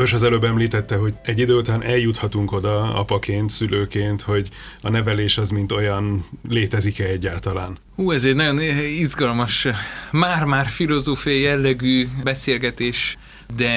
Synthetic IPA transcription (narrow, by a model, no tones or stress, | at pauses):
ørʃɒzɛløːbɛmliːt̪ɛt̪ːɛɦo̞ɟɛɟːid̪øːut̪anʔɛljut̪hɒt̪uŋko̞d̪ɒɒ̰pɒkeːnt̪syløːkeːnt̪ho̞ɟɒnɛvɛleːʃɒzmint̪o̞jɒnleːt̪ɛzikɛɛɟːaːlt̪ɒla̰ːn | huːɛzɛɟnɒɟo̞nizɡɒlmɒʃmaːrmaːrfilo̞zoːfijɒjjɛlːɛɡyːbɛseːlɡɛt̪eːʃ | d̪ɛ